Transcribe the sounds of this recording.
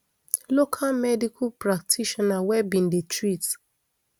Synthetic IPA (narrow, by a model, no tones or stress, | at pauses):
lokʰalmɛdikʰupɾak̚tʰiʃɔnawɛbĩn̩detɾit